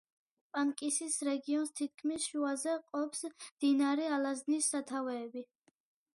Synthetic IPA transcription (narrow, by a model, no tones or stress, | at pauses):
pʼaŋkʼisisɾɛɡiɔnst̪ʰit̪̚kʰmisʃuazɛqʼɔpsmd̪̥inaɾɛalaznisːat̪ʰavɛːbi